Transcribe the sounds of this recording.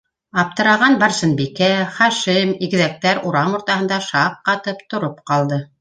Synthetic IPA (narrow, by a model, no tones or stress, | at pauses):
ɑp̚t̪ɤ̆ɾɑʁɑnbɑɾsɤ̆nbikæχɑʃimiɡɘ̆ðæk̚t̪æɾuɾɑmŏɾt̪ɑhɤ̆nd̪ɑʃɑq̚qɑt̪ɤpt̪ŏɾopqɑlˠd̪ɤ